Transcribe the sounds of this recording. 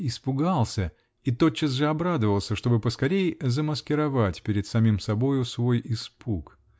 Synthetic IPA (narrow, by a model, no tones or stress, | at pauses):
ɪspʊɡalˠsʲə | it̪o̞t̪t͡ɕːɪs̬ʐɨɐbɾad̪əvəlˠsʲəʂt̪o̞bɨpəskɐɾʲejɪzəməskʲɪɾɐvatʲpʲɪɾʲɪt̪sɐmʲimsɐbo̞jʊsvo̞jɪspuk